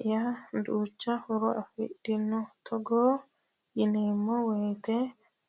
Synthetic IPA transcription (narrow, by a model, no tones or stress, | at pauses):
janduːt͡ʃːahɔɾɔʔafḭɗːinːɔt̪ʰɔɡɔ | jinɛmːɔwɛːt̪ɛ